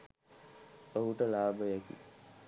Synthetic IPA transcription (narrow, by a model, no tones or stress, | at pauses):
oɦuʈəlaːbəjakḭ